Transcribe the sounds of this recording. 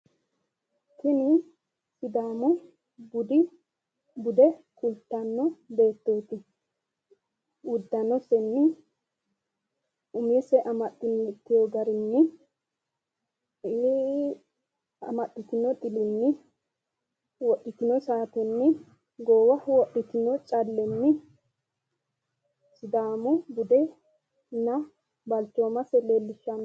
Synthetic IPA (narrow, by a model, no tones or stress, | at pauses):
k̪ɪnɪ | sɪd̪aːmʊ | bʊd̪ɪ | bʊd̪ɛkʊlt̪ːanːɔbe̞ːt̪ːoːt̪ɪ | ʊd̪ːɐnɔsɛnːɪ | ʊmesɛʔɐmɐɗːɪnːɪt̪ːɪjoɡɐɾɪnːɪ | ɐ̰mɐɗːɪt̪ɪnɔt̪ʼɪlɪnːɪ | wɔɗːɪt̪ɪnɔsaːt̪ɛnːɪ | ɡoːwɐwɔɗːɪt̪ɪnɔt͡ʃʼɐlːɛnːɪ | sɪd̪aːmʊbʊd̪ɛ | nɐ | bɐlt͡ʃːoːmɐsɛleːlːɪʃːa